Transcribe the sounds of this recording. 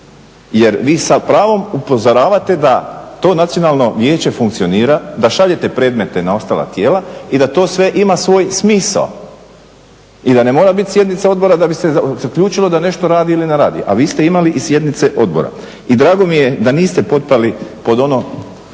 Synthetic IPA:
je̞ɾʋiːsapɾaːʋo̞mupo̞zoɾaːʋat̪e̞d̪at̪o̞ːnat̪sio̞naːlˠno̞ʋje̞ːt͡ɕe̞fuŋkt̪sio̞niːɾad̪aʃaʎe̞t̪e̞pɾe̞ːd̪me̞t̪e̞nao̞st̪aːlˠa̰t̪jeːlaid̪at̪o̞ːsʋe̞ʔimasʋo̞ːjsmiːsa̰l | id̪ane̞mo̞ːɾabit̪sje̞d̪nit̪seo̞d̪̚bo̞ɾad̪abist̪ezakʎuːt͡ʃilod̪ane̞ʃt̪o̞ɾaːd̪iilineɾaːd̪ḭʔa̰ʋiːst̪e̞imaliʔisje̞d̪nit̪se̞ʔo̞d̪̚bo̞̰ɾa̰ | id̪ɾaːɡo̞mije̞d̪aniːst̪e̞po̞t̪̚palipo̞d̪o̞no̞

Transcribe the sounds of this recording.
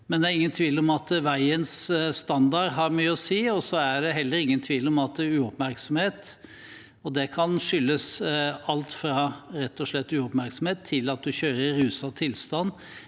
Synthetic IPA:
mɛnd̪ɛæɾɪŋːənt̪ʰʋiːlɔmɑt̪ʋæɪənsst̪ɑnd̪ɑɾɦɑɾmyːəɔsiːɔsɔæɖɛɦɛlːəɾɪŋːənt̪ʰʋiːlɔmɑt̪ʉːɔpmæɾksɔmheːt̪ | ɔd̪ɛkʰɑnʂʏlːəsɑlt̪fɾɑɾɛt̪ːɔʂlɛt̪ːʉːɔpmæɾksɔmheːt̪ʰːɪlɑt̪̚d̪ʉçøːɾəɾʉːsɑt̪ʰɪlst̪ɑnː

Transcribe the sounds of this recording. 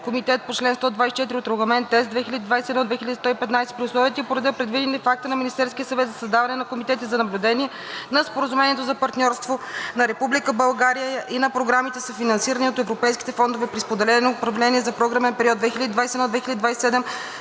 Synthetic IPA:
komit̪ɛt̪̚pot͡ʃlɛnst̪ɔd̪vajsi̥t͡ʃɛt̪iɾʲiot̪ɾoɡəmɛnt̪ɛsd̪vɛxilʲəd̪ʲid̪vajsɛd̪nɔd̪vɛxilʲəd̪ist̪ɔipɛt̪najsɛ̥pɾʲiʊslˠɔvjət̪iəpoɾɐd̪əpɾɛd̪vid̪ʲɛnt̪ɛfak̚t̪ənɐminist̪ɛɾskʲiəsɐvɛt̪zɐsəzd̪avɐnɛnɐkomit̪ɛt̪izɐnɐblʲud̪ɛniɛ | nɐspoɾɐzumɛnʲiɛt̪ozɐpɐɾt̪nʲɔɾst̪vonɐɾɛpublikəbɐlˠɡaɾijəʔinɐpɾoɡɾamit̪ɛsəfinɐnsiɾəniot̪ɛvɾopɛjski̥t̪ɛfɔnd̪ovɛpɾispod̪ɛlɛnopɾɐvlɛniɛzɐpɾɔɡɾəmɛnpɛɾiɔt̪̚d̪vɛxilʲəd̪id̪vajsɛd̪nɔd̪vɛxilʲəd̪id̪vajsɛ̥sɛd̪ɛm

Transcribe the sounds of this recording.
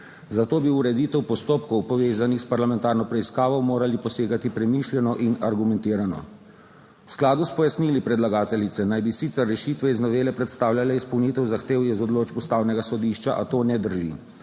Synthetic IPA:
zat̪oːbiuɾɛd̪iːt̪ɛwpɔst̪oːpkɔwpɔʋeːzanixspaɾlamɛnt̪aːɾnɔpɾɛiskaːʋɔmoːɾalipɔseːɡat̪ipɾɛmiːʃlʲɛnɔʔinaɾɡumɛnt̪iːɾanɔ̰ | wsklaːd̪uspɔjasniːlipɾɛd̪laɡaːt̪ɛlit̪sɛnajbisit̪sɛrːɛʃiːt̪ʋɛiznɔʋeːlɛpɾɛt̪st̪aːwlʲjalɛispɔwnit̪ɛwzaxt̪eːwjɛzɔd̪loːd͡ʒbust̪aːwnɛɡasɔd̪iʃt͡ʃaʔat̪oːnɛd̪əɾʒḭ

